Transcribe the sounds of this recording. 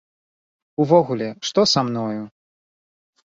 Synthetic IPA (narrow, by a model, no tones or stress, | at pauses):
uvɔɣulʲɛʂt̪ɔsamnɔju